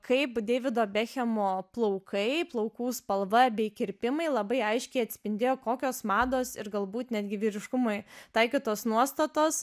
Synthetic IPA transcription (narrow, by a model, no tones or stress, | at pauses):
kʰɐɪpd̪ʲeːʋʲɪd̪oːbʲæːxʲɛmoːplˠɐʊkʰɐɪplˠɐʊkuːspɐlˠʋɐbʲɛɪkʲɪɾʲpʲɪmɐɪlˠɐbɐɪɐɪʃʲkʲɛɪɐt̪ʲsʲpʲɪnʲd̪ʲeːjoːkoːkʲoːsmɑːd̪oːsɪɾɡɐlˠbuːt̪nʲæd̪ʲɡʲɪʋʲɪɾʲɪʃkʊmoɪt̪ɑɪkʲit̪oːsnuɔst̪ɐt̪oːs